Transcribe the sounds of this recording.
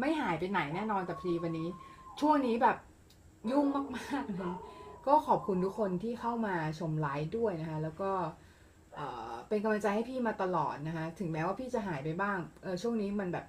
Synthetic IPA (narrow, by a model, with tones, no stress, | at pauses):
ma˥˩jɦaː˩˦jpa˧jna˩˦jnɛː˥˩nɔː˧nt̪ɛ˨˩pʰdiː˧wa˧nːiː˦˥t͡ɕʰu˥˩əŋniː˦˥bɛː˨˩p̚ | ju˥˩ŋmaː˥˩k̚maː˥˩k̚ʔa˦˥kɔː˥˩kʰɔː˨˩p̚kʰu˧nt̪ʰu˦˥kʰo˧nt̪ʰiː˥˩xʰa˥˩wmaː˧t͡ɕʰo˧mlaː˦˥jdu˥˩əjna˦˥kʰa˦˥lɛː˦˥wkɔː˥˩ | ʔɤː˨˩pe˧nka˧mla˧ŋt͡ɕa˧jha˥˩jpʰiː˥˩maː˧t̪a˧lɔ̰ː˨˩t̪̚na˦˥kʰa˦˥t̪ʰɯ˨˩˦ŋmɛː˦˥waː˥˩pʰiː˥˩t͡ɕa˨˩ɦaː˩˦jpa˧jbaː˥˩ŋʔɤː˧t͡ɕʰu˥˩əŋniː˦˥ma˧nbɛː˨˩p̚